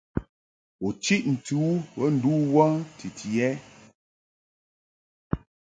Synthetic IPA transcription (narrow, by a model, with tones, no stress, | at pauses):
ɔ˨t͡ʃi˦ʔn̩˨tu˨˦wə˦n̩˨du˦wa˦ŋtʰi˨tʰi˨ɛ˦